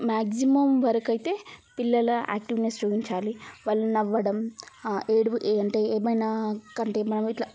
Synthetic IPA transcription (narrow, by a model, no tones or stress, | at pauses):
maːɡsimɐmʋɐɾɐkɐjit̪e̞ːpilːɐlɐa̰ːk̚ʈiʋnesɾuːʋiɲt͡ʃaːliʋɐɭːɐnɐʋːɐɽɐm | eːɽuʔeɐɳʈeːeːmɐjnaːkɐɳʈemɐnɐmiʈ̪lɐ